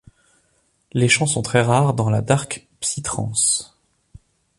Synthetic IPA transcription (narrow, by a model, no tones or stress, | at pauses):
leʃɑ̃sɔ̃t̪χɛʁaʁd̪ɑ̃la̰d̪aʁk | psit̪χɑ̰̃s